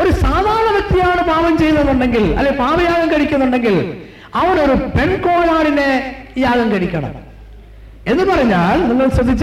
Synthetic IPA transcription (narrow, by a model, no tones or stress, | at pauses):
o̞ɾusaːd̪ʱaːɾɐɳɐʋɐk̚t̪ijaːɳɨpaːʋɐmt͡ɕe̞jnːɐðːuɳɖe̞ŋɡilɐ̰lːepaːʋɐjaːɣɐŋkɐɽikʲːunːuɳɖe̞ŋɡil | ɐʋɐno̞ɾupe̞ɳko̞ːɭaːɽinejaːɣɐŋkɐɽikʲːɐɳɐ̰m | e̞nːɨpɐrɐɲːaːlniŋːɐɭsrɐd̪ʱːit͡ɕː